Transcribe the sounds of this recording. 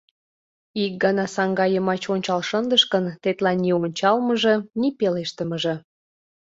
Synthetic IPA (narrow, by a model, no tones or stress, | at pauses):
ik̚ɡɑnɑsɑŋɡɑjəmɑt͡ɕonʲt͡ɕɑlʃənd̪əʃkənt̪et̪lɑnionʲt͡ɕɑlməʒə̆nipeleʃt̪əməʒə̆